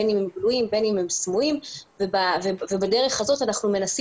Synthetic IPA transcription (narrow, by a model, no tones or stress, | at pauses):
enimhemɡluimbe̞nimhemsmuimvebavevebade̞ʁe̞χhazo̞tanaχnume̞nasi